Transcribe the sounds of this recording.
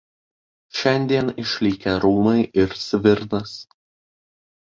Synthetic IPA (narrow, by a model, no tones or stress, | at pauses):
ʃʲɛnʲd̪ʲiɛnɪʃʲlʲiːkʲɛɾuːmɐɪʔɪɾsʲʋʲɪɾd̪ɐs